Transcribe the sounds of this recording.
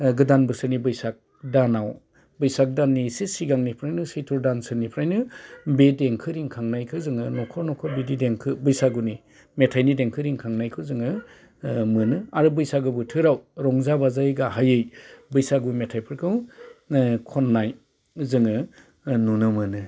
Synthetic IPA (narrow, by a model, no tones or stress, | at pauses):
ɡɯdanbɯsɯnibɯjsak̚ | danaw | bɯjsak̚danːisesiɡaŋnipʰɾajnɯsɯjtʰɔɾdansɯnipʰɾajnɯbedeŋkʰɯɾiŋkʰaŋnajkʰɯzɯŋɯnɔkʰɔnɔkʰɔbidideŋkʰɯbɯjsaɡuni | metʰajnideŋkʰɯɾiŋkʰaŋnajkʰɯwzɯŋɯ | mɯnɯaɾɯbɯjsaɡɯbɯtʰɯɾawɾɔŋzabazajɡaɦajɯjbɯjsaɡumetʰajpʰɯɾkʰɯw | kʰɔnːaj | zɯŋɯ | nunɯmɯnɯ